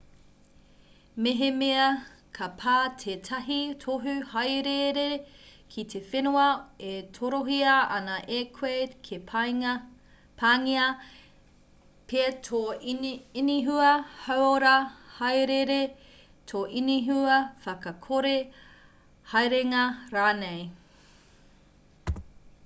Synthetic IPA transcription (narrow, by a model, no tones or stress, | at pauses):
meɦemeɐkʰɐpʰaːtʰetʰɐɦitʰoɦʉhɐjɾeɾekʰitʰefenuɐetʰoɾoɦiɐɐnɐʔekʰwekʰep | pʰaŋiɐ | pʰetʰo | iniɦuɐhawoɾɐhɐjɾeɾe | tʰoʔiniɦuɐfɐkɐkʰoɾe | hɐjɾeŋɐɾaːnej